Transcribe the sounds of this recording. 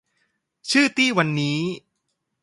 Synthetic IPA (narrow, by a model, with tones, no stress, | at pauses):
t͡ɕʰɯː˥˩t̪iː˥˩wa˧nːiː˦˥